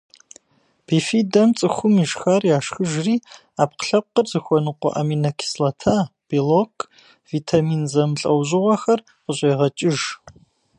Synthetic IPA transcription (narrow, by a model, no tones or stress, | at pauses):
b̥ifiːdɐmt͡sʼɨxʷʊmiʒxarjaːʂxɨʒriː | aːp̚qə̥ɬɐp̚qərzɨxʷɔnɨqʷɔ̰ʔɐ̰miːnɐkʰi̥slɐtʰaːb̥ilokʰʼ | viːtʰaːmiːnzɐmɬʼɐwʑʼɪʁʷɔxɐr | qəɕʷʼeːʁɐt͡ʃʼɪʒ